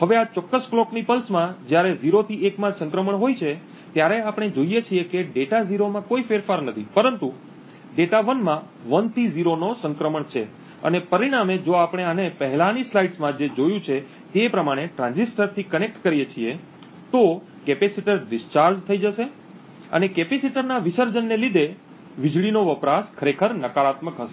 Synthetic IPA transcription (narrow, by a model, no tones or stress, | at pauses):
ɦəʋeat͡ʃɔkːəskloknipəlsmãd͡ʒjaɾeziɾot̪ʰiekmãsə̃ŋkɾəməɳɦojt͡ʃʰe | t̪jaɾeapəɳ̃ed͡ʒoijet͡ʃʰiekeɖeʈaziɾomãkoifeɾfaɾnət̪ʰipəɾənt̪u | ɖeʈaʋənmã | ʋənt̪ʰiziɾonosə̃ŋkɾəməɳt͡ʃʰe | ə̰nepəɾiɽ̃amed͡ʒoapəɽ̃eanepəɦɛlãnislaiɖsmãd͡ʒed͡ʒojũt͡ʃʰe | t̪epɾəmaɽ̃eʈɾãnd͡ʒisʈəɾt̪ʰikənek̚ʈkəɾijet͡ʃʰie | t̪o | kepesiʈəɾɖɪst͡ʃaɾd͡ʒt̪ʰəid͡ʒəʃe | ə̰nekepesiʈəɾnaʋɪsəɾd͡ʒənːelid̪e | ʋɪd͡ʒɭinoʋəpɾaskʰəɾekʰəɾnəkaɾat̪məkɦəʃe